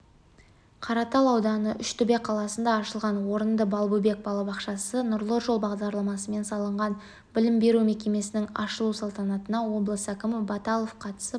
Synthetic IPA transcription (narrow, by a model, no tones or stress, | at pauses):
qʰɑɾɑt̪ɑlˠɑwd̪ɑnəʔʏʃt̪ʰʏbe̞qʰɑlˠɑsənd̪ɑːʃəlˠʁɑnwo̞ɾənd̪əbɑlˠbube̞k̚bɑlˠɑbɑqʃɑsənʊɾlˠəʒo̞lˠbɑʁd̪ɑɾlˠɑmɑsəme̞nsɑlˠəɴʁɑn | bɪlɪmbe̞ɾumekʲe̞me̞sɪnɪŋɑ̰ʃəlˠusɑlˠt̪ɑnɑt̪ənɑwo̞blˠəsækʲɪmɪbɑt̪ɑlˠofqʰɑt̪ə̥sə